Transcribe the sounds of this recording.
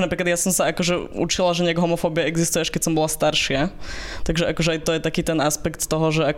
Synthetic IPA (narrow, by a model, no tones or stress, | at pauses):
napɾiːklad̪jasɔmsaakɔʒɛṵt͡ʃilaʒɛɲɛaɡɦɔmɔfɔːbiɛɛɡzist̪ujɛaʃkɛcsɔmbɔlast̪aɾʃɪat̪aɡʒɛʔakɔʒɛajt̪ɔjɛt̪akiːt̪ɛnaspɛkt̪ːɔɦɔʒɛak